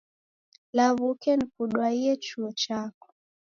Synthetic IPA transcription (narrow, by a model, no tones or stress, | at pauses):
laβukɛnikuɗwaiɛt͡ʃuɔt͡ʃakɔ̥